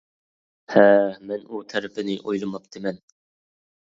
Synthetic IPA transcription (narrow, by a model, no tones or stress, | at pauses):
hæmɛnut̪ʰæɾɪpʰɪnɪʔojlˠɨmɑp̚d̪̥ʰɪmɛn